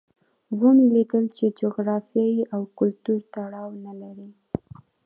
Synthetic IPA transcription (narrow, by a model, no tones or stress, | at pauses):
wumilikəlt͡ʃed͡ʒoɣɾɑfjɑjiʔawkʊlt̪uɾt̪aɽɑwnalaɾi